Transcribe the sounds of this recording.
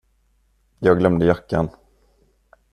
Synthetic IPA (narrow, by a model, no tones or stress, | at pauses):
jɑːɡlœmd̪əjakːa̰n